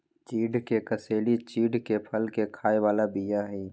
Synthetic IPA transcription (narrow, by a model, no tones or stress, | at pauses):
t͡ʃiːɖkekəseːlit͡ʃiːɖkepʰəlkekʰaːewaːlabijaɦɛ̃ː